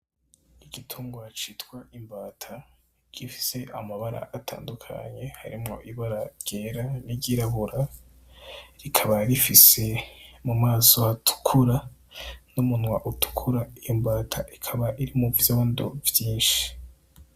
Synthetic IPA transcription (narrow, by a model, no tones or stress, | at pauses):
iɡ̥itʰuːŋɡwat͡ʃitwaʔimbaːtʰa | ɟ̥ifi̥se̞ʔamaβaɾa̰ʔatʰa̰ːndukʰa̰ɲe̞ha̰ɾimŋo̞̰ʔiβaɾaɾɟ̥e̞ːɾaniɟiɾaβuɾa | ɾikʰaβaɾifise̞mumaːsoatʰu̥kʰuɾa | numunwaʔutu̥kʰuɾaijombaːtʰaʔikʰaβaʔiɾimuvjaβando̰vjiːnʃi̥